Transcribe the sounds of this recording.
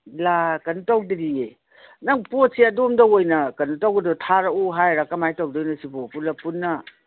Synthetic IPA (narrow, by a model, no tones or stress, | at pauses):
lakɐntawdidie | nɐŋpot̚seɐdomdɐojnɐkɐnutawɡɐdɔtʰaɾauɦajɾakːɐmajtawdɔjnɐsipopulɐpunːɐ